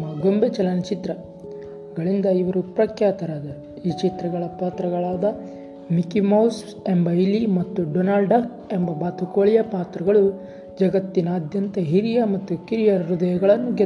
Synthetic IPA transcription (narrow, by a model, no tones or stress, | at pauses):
ɐɡombet͡ʃɐlɐnɐt͡ʃit̪ɾɐ | ɡɐɭind̪ɐiʋɐɾupɾɐkjaːt̪ɐɾaːd̪ɐ | iːt͡ʃit̪ɾɐɡɐɭɐpaːt̪ɾɐɡɐɭaːd̪ɐ | mikimɐws | e̞mbɐilimɐt̪ːuɖonaːlɖɐk | e̞mbɐbaːt̪ukoːɭijɐpaːt̪ɾɐɡɐɭu | d͡ʒɐɡɐt̪ːinɐːd̪jɐnt̪ɐɦiɾijɐmɐt̪ːukiɾijɐɾud̪ɐjɐɡɐɭɐnːuɡe